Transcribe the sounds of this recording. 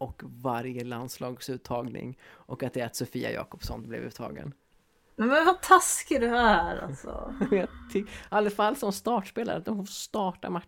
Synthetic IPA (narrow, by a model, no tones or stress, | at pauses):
ɔkvaɾjəland̪slɑːɡsʉ̟ːt̪ʰːɑːɡnɪ̰ŋʔɔkat̪̚d̪ɛat̪sʊfiːa̰jɑ̰ːkɔpsɔnblɛ̰vʉ̟ːt̪ʰɑ̰ːɡə̰n | mɛnvat̪ʰaskɪd̪ɛæɾa̰lsɔ̰jɑt̪ʰʏalːəfalːsɔmst̪ɑːʈʂpeːlaɾəat̪d̪ɔmffost̪ɑːʈa̰ma